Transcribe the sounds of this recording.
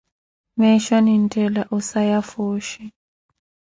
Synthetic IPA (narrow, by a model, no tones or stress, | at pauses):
mɛʃanintʰʼɛlaʔusajafoːʃi